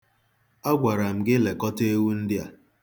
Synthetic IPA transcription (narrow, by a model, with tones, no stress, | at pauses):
a˦ɡʷa˨ɾa˨m̩˨ɡɪ˦le˨kɔ˦te˦wu˦n̩˦dɪ˦a̰˨